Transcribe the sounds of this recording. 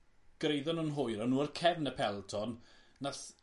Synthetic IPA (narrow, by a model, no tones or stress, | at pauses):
ɡ̥rejðɔnunɦʊjɾɔnuːərkʰɛvnəpʰɛlˠtʰɔnnaθ